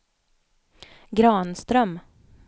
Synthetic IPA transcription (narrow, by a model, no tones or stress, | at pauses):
ɡɾɑːnst̪ɾœm